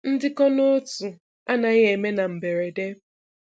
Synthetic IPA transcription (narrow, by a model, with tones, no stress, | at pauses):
n̩˦dɪ˦kɔ˦no˦tu˨ | a˦na˨ɣe˨me˦na˨m̩˨be˨ɾe˨de˦